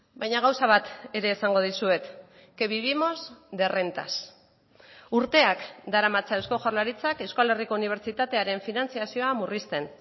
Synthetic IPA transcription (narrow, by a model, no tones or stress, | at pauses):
bajɲaɣ̞awsaβ̞at̪e̞ɾe̞ːsaŋɡo̞ð̞isue̞t̪ | ke̞βiβimo̞zd̪e̞re̞nt̪a̰s | uɾt̪e̞akd̪aɾamat͡saewsko̞ʝaɾlaɾit͡sake̞wskale̞riko̞uniβ̞e̞ɾt͡sit̪at̪e̞aɾe̞ɱfinant͡siasio̞amurist̪e̞n